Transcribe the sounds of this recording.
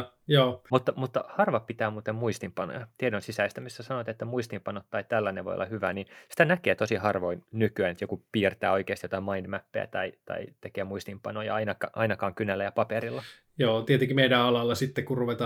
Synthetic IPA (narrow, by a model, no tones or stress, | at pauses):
joːmut̪ːɑmut̪ːɑhɑrʋɑppit̪æːmuːt̪emmuist̪impɑno̰jɑt̪iedonsisæist̪æmisːæsɑnoɑt̪et̪ːæmuist̪impɑnot̪ːɑit̪ælːæneʋo̰jo̰lːɑhyʋæninsi̥t̪ænækeːt̪osihɑrʋoinnykyænet̪jokupiːrt̪æːoikeːst̪jot̪ɑimɑindmæpːḛæ̰t̪ɑit̪ɑ̰it̪ekeæmuist̪impɑ̰nojɑ̰ɑinɑkɑʔɑ̰inɑkɑːŋkynælːæjɑpɑpeɾilːɑ | joːt̪iet̪eŋkimeidæɑlɑlːɑsit̪ːekkurruʋet̪ɑː